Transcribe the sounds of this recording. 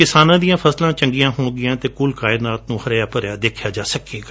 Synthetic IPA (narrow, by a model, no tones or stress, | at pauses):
kɪsaːnãːd̪ijãːpʰəslãːt͡ʃə̃ŋɡɪjãːɦõːɡɪjãːt̪eːkuːlkaːɪnaːt̪nũːhəɾjaːpəɾjaːd̪eːkʰjaːd͡ʒaːsəkeːɡaː